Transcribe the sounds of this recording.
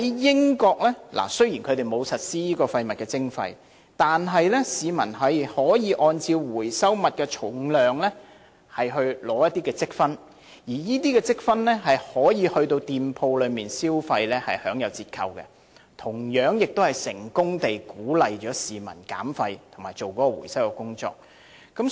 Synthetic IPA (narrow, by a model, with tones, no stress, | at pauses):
jjɪ˥ŋkɔː˧k̚lɛː˥la̰˨˩sɵ˥ɥjiː˨˩nkʰɵ˨˧t̪e˨jmo˨˧wsɐ˨t̚siː˥jiː˥kɔː˧fɐ˧jmɐ˨t̚kɛː˧t͡sɪ˥ŋfɐ̰˧j | t̪aː˨nɦɐ˨jlɛ˥siː˨mɐ̰˨˩nɦɐ˨˧jhɔː˨˥jiː˨˧ʔɔː˧nt͡siː˧wwuː˨˩jsɐ˥wmɐ˨t̚kɛː˧t͡ʃʰʊ˨˥ŋlœː˨ŋlɛː˥ | hɐ˨jɦɵ˧ɥlɔː˨˧˥jɐ˥t̪̚ːiː˥kɛː˧t͡sɪ˥k̚fɐ˥n | jiː˨˩jiː˥t̪iː˥kɛː˧t͡sɪ˥k̚fɐ˥nlɛː˥ɦɐ˨jhɔː˨˥jiː˨˧hɵ˧ɥt̪o˧wt̪iː˨mpʰo˧wlɵ˨˧ɥmiː˨nsiː˥wfɐ˧jlɛː˥hɐ˨jhœː˨˥ŋjɐ˨˧wt͡siː˧t̚kʰɐ̰˧wkɛ̰˧ | t̪ʰʊ˨˩ŋjœː˨˥ŋjɪ˨k̚t̪o˥whɐ˨jsɪ̰˨˩ŋkʊ˥ŋt̪e˨jkuː˨˥lɐ˨jt͡ʃɔː˨˥siː˨mɐ̰˨˩nka̰ː˨˥mfɐ˧jt̪ʰʊ˨˩ŋmaː˨˩jt͡ʃo˨wkɔː˨˦˥kɔː˧wṵː˨˩jsɐ˥wkɛ˧kʊ˥ŋt͡ʃɔ̰ː˧k̚ | kːɐ˨˥m